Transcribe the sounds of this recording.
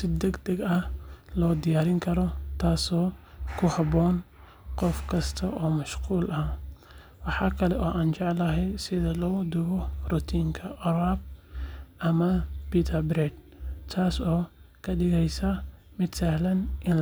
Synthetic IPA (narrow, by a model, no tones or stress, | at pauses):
sɪd̪ɛɡd̪ɐɡɐhlɔːd̪ɪjaːɾɪŋkʰɐɾɔt̪ʰaːsɔːkʰʊhɑβɔːn | qɔfkʰɐst̪ʰɐʔɔːmɐʃquːlʔɐ | wɑħɑːkʰɐlɛʔɔːʔaːnt͡ʃɛʕlɐɦɛjsɪðɐlɔːd̪ʊɣɔrʊt̪ʰiːŋkʰɐʔɔɾaːb̚ | ʔɐmɐpiːt̪ʰɐbɾɛd̪̚ | t̪ʰaːsɔːkʰɐɖɪɣɛjsɐ | mɪd̪sɐhlɐnʔɪn